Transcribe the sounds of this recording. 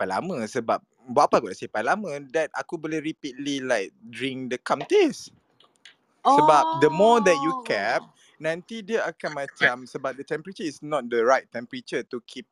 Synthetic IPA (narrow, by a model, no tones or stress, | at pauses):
ala̰mə̃səbap̚ | bəapaɡodasipalamə̃dɛta̰kubolehɹipit̚lilaɪk̚dɹĩŋdəkãmt̪es | səbap̚dəmɔdɛt̚jukɛp̚ | nãnt̪idiəakanmãt͡ʃamsəbap̚d̪ət̪ɛ̃mpəɾət͡ʃəisnɔt̪̚dəɹajt̚ːɛ̃mpəɹit͡ʃət̪ukʰip̚